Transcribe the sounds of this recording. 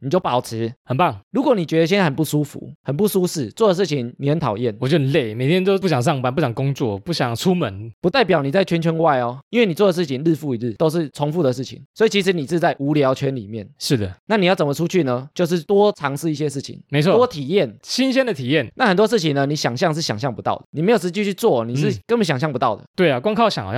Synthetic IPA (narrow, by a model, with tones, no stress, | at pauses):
ni˨˩t͡ɕjo˥˩ʊpɑ˨˩ʊt͡sʰɻ̩˧˦hə˨˩npɑ˥˩ŋɻu˧˦˥kwɔ˨˦ni˨˩t͡ɕɥɛ˧d̪ə˧ɕ̬ɛ˥nt͡sa˥˩ə˨˩pu˥˩ʂu˥˦fṵ˨˦hə˨˩npu˥˩ʂu˥ʂɻ̩˥˩t͡swɔ˥˩d̪ə˩ʂ̬ɻ̩˥˩t͡ɕʰi˧˦ŋni˨˩xə˧˦nt̪ʰɑ˨˩ʊjɛ˥˩nwɔ˨˩t͡ɕjo˥˧˩le˥˨˩ɪme˨˩ɪt̪ʰjɛ˥nt̪o˥ʊu˥˩ɕjɑ˨˩ŋʂ̬ɑ˥˩ŋpa˧˥npu˥˩ɕjɑ˨˩ŋkʊ˦˥ŋt͡swɔ˥˨pu˥˩ɕjɑ˨˩ŋt͡sʰu˦˥mə˨˧˦npu˧˥t̪a˥˩ɪp̬jɑ˨˩ʊni˨˩t͡sa˥˩ɪt͡ɕʰɛ˥nt͡ɕʰɥɛ˧˥nwa˥˧ɪɔ˨˩i˥nwe˩ni˨˩t͡swɔ˥˩d̪ə˩ʂ̬̩˥˩t͡ɕʰi˦nl̩˥˧fu˥˨i˨˦l̩˥˩t̪o˥ʊʂ̬ɻ̩˥˩t͡sʰo˧˥ŋfu˥˩d̪ə˩ʂɻ̩˥˩t͡ɕʰḭ˨˩ŋswɔ˧˥i˨˩t͡ɕʰi˧˥ʂ̬̩˧˥ni˨˩˥t͡sa˥˩ɪʔu˧˥ljɑ˧˥ʊt͡ɕʰɥɛ˦˥nlḭ˨˩mjɛ˥˩nʂɻ̩˥˩d̪ə˩na˥˩ni˨jt͡sə˨˩mə˨˩u˦t͡ɕʰy˥˩nə˦t͡ɕjo˥˧ʊʂɻ̩˥˩t̪wɔ˥t͡sʰɑ˧˥ŋʂɻ̩˥˧i˥˩ɕ̬jɛ˦ʂɻ̩˥˩t͡ɕʰḭ˨˩ŋme˧˦ɪɔ˥˧wɔ˥t̪ʰi˨˩jɛ˥˩nɕi˦nɕjɛ˥nd̪ə˨t̪ʰi˨˩jɛ˥˨˩nna˥˩xə˨˩nt̪̬wɔ˥ʂɻ̩˥˩t͡ɕʰi˨ŋnə˦ni˧˥ɕjɑ˨˩ŋɕjɑ˥˧ŋʂ̬ɻ̩˥˩ɕjɑ˨ŋɕjɑ˥˩ŋpu˧˦t̪ɑ̰˥˩ʊd̪ə˩ni˨˩me˧˥ɪjo˨˩ʂɻ̩˧˥t͡ɕy˥˧t͡ɕʰy˥˧t͡swɔ˥˩ni˨˩ʂɻ̩˥˩kə˥nbə˨˦˩ɕɑ˨˩ŋɕjɑ˥˩ŋpu˧˦t̪ɑ˥˩ʊd̪ə̰˩t̪we˥˩ɪa˨kwɑ˥ŋkʰɑ˥˧ʊɕjɑ̰˨˦ŋ˨˩